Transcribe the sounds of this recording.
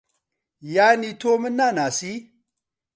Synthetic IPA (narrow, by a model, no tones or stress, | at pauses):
janitʰomɨnːanasi